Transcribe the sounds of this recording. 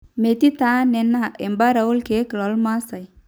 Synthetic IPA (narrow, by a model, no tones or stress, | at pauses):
met̪it̪anenːaembaɾaulkeklɔlmasaj